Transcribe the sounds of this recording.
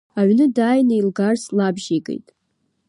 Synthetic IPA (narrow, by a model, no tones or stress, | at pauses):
aʕnɨdaːjnɨjlɡarslabʒeɡʼḛjtʼ